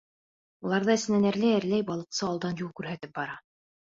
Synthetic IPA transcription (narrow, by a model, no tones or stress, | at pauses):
ulˠɑɾðɤɘ̆sɘ̆nænæɾlæjæɾlæjbɑlˠɤ̆qsɤɑlˠd̪ɑnjulˠkʉɾɦæt̪ɘp̚bɑɾɑ